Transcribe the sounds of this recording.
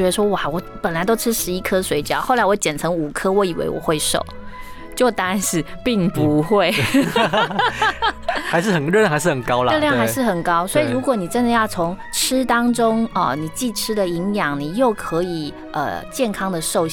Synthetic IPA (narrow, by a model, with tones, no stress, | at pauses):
ɛ˧˥d̪ə˧ʂwɔ˥wa˩wɔ˧˥pə˨˩nla˧˥ɪt̪o˥ʊʈ͡ʂʰɻ̩˥ʂɻ̩˧˥i˥kʰɤ˥swe˧ɪt͡ɕjɑ̰˥˩˦ʊxo˥˩ʊla˧˥ɪwɔ˧˥t͡ɕjɛ˨˩nʈ͡ʂʰɤ˧˥ŋu˨˩kʰɤ˥wɔ˧˥i˨˩wḛ˧˥ɪwɔ̰˨˩xwe˥˩ɪʂo̰˨˩ʊ | t͡ɕjo˥˩ʊt̪a˥˨nʂɻ̩˥˧pi˥˩ŋpu˨˧˥xwe˥˩ɪ | xa˧˥ɪʂɻ̩˥˩xə˨˩nɻ̩ɤ˥˧jŋxa˧˥ʂ̩ɻə˨˩kɑ˥ʊlə˨˧˥ljxa˧˥ɪʂɻ̩˥˩xə˨˩nkɑ˥ʊswɔ˧˥i˨ɻu˧˥kwɔ˨˩˦ni˨˩ʈ͡ʂə˥nd̪ə˨jɑ˥˩ʊt͡sʰʊ˧˥ŋʈ͡ʂʰɻ̩˥t̪ɑ˥ŋʈ͡ʂʊ˥ŋə˧ni˨˩t͡ɕi˥˩ʈ͡ʂʰɻ̩˥d̪ə˨i˧˥ŋjɑ˨˩ŋni˨˩jo˥˩ʊkʰɤ˧˥i˨˩ | ʔə̰˨˩t͡ɕjɛ˥˩nkʰɑ˥ŋd̪ə˨ʂo˥˧ʊ